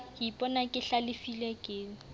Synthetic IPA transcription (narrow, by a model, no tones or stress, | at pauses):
kipʼɔnakʼɪɬalɪfilɛkʼeːŋ̩